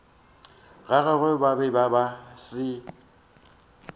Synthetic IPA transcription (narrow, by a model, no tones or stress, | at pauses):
ɣaɣɛɣɛbabɛbabasɪ